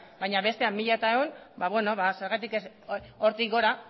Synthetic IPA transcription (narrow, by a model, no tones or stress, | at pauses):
baɲaβe̞st̪e̞amːiʎat̪aeunbaβwe̞no̞βase̞ɾɣat̪ikes | oɾt̪iɡo̞ɾa